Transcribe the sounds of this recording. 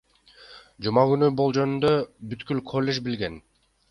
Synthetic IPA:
d͡ʒumɑɡynybolˠd͡ʒø̞nynd̪øbyt̪kylkʰolʲːe̞ʒbilɡe̞n

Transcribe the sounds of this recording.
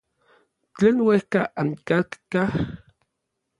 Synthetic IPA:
t͡ɬeːnwehkaʔaŋkat̪kah

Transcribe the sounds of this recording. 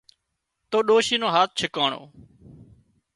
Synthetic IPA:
t̪oːɗoːʃiːnoːɦaːt̪̚ʰt͡ʃʰɪkaːɳo̰ː

